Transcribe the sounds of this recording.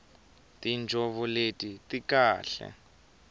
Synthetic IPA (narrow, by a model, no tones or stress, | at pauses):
tind͡ʒʱɔβɔletʼitikaːɬɛ̰